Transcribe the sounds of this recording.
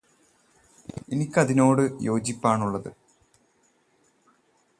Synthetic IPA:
enikʲːɐðino̞ːɽɨjo̞ːd͡ʑipːaːɳuɭːɐðɨ

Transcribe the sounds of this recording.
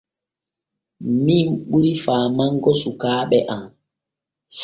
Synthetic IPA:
minɓuɾifaːmaŋɡɔsukaːɓɛʔam

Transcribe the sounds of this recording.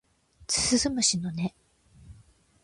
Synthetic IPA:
t͡sɨ̥sɨzɨmɯ̟ɕinone

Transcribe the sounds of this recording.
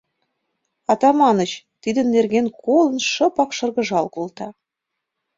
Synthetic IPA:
ɑt̪ɑmɑnət͡ɕ | t̪id̪ə̆nːerɣenkolə̆nʃɤ̆pɑkʃɤ̆rɣə̆ʒɑlkolt̪ɑ

